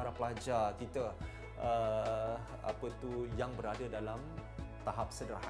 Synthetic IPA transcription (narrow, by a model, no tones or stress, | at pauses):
aɾapəlad͡ʒakit̪ə | ə | a̰pət̪ujaŋbəɾadədalamt̪aɦap̚sədɾa̰ha